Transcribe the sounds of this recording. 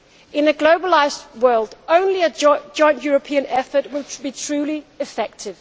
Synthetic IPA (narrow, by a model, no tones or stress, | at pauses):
ɪ̃nɨɡloʊbəlaɪzwɜ˞lˠdõʊ̃nliɨ̥d͡ʒ̥ɔ̃ɪ̃nʔjɔɹəpʰĩɨ̃nɛfəʔ̚wɪlˠbitʰɹ̥ʉːliɨfɛk̚tʰɪv̥